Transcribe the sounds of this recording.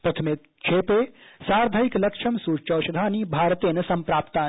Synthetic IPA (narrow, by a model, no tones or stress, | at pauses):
pɾɐt̪ʰɐmɪk̚ | t͡ʃʰeːpeːsaːɾd̪ʱaiklɐkʂɐmsuːt͡ʃɐːʃɐd̪ʱaːniːbʱaːɾt̪eːnɐsɐmpɾaːpt̪aː